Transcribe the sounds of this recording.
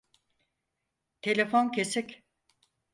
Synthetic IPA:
t̪ʰe̞lʲefoncʰesicʲ

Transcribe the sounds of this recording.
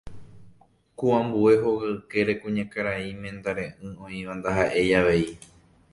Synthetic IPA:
kuãmbue̞ɦoɣɨke̞ɾe̞kũɲãkaɾaimẽnd̪aɾẽʔɨ̃õĩʋand̪aɦaʔe̞jaʋe̞i

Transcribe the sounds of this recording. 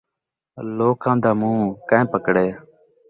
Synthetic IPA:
loːkãːd̪aːmũːkãẽːpəkɽeː

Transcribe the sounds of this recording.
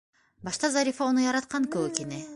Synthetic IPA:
bɑʃt̪ɑzɑɾʲifɑonujɑɾɑt̪qɑnkɵwɵkeni

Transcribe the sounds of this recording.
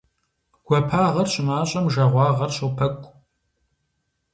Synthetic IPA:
ɡ̥ʷɔpʰaːʁɐrɕʼɪmaːɕʼɐmʒɐʁʷɑːʁɐrɕʼɨpʰɐkʷʼ

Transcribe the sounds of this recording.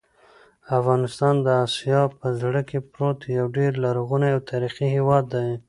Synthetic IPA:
afɣɑnɪst̪ɑnd̪əɑsijɑpəzɽəkepɾot̪jawɖeɾlaɾɣunaawt̪ʰaɾiqiɦewɑd̪ːaj

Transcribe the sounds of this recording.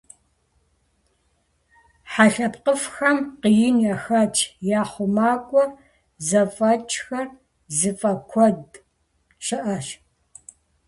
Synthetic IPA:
ħaɬɐpqəfxɐmqijɪnjɐxɐt͡ʃʼjaːχʷʊmaːkʷʼɔr | zɐfɐt͡ʃʼxɐr | zɨfʼɐkʷʰɔd | ɕɨʔɐɕ

